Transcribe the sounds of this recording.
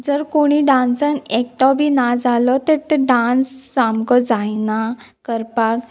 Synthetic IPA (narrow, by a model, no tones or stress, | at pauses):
d͡zəɾkoɽ̃iɖãnsənek̚ʈɔbʱinad͡zalɔt̪əɾt̪əɖãnsːamkɔd͡zajna | kəɾpak